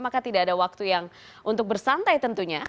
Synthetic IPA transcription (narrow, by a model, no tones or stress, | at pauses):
makat̪idaːdawak̚t̪ujaŋ | ʔunt̪ʊk̚bərsant̪ajt̪ənt̪uɲa